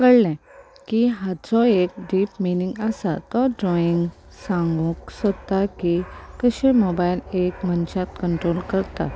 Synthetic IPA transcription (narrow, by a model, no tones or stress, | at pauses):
kəɽlɛ̃ | kiɦat͡sɔek̚ɖiːpminĩŋɡasat̪ɔɖɾɔiŋɡ | sãŋɡũksəd̪t̪akikəɕẽmobailekmənt͡ɕat̪kəɳʈɾolkəɾt̪a̰